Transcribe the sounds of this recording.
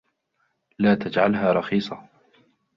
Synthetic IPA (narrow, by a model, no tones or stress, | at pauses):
laːt̪ad͡ʒʕalɦaːɾˤɑxiːsˤɑ